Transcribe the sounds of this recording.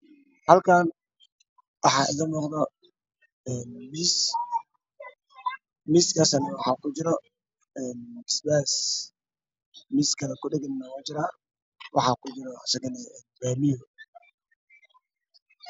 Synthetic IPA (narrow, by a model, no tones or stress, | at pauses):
hɐlkʰaːn | wɑħɑːʔɪ̰ɣɐnɔːqd̪ɔ | ɛːnmis | miskʰasɐnɛwɑħɑːkʰʊt͡ʃɪɾɔ | ɛːnɪsbaːs | mɪskʰɐlɐkʰʊɖɛɡɪnnawaːt͡ʃɪɾa | wʔɑ̰ħɑkʰʊt͡ʃɪɾɔɐ̰sɐɣɐnɛɛːnbaːmɪjɔ